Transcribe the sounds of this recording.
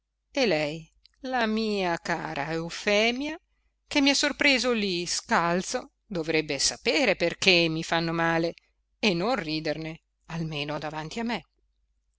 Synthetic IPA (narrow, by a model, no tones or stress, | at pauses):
elɛj | lamiːaka̰ːɾʔa̰eufɛːmja | kemːiasːorpɾeːzoliskalt̪so | d̪ovɾɛbːesapeːɾeperkemːifanːomaːle | enonriːd̪erne | almeːnod̪avant̪iamːe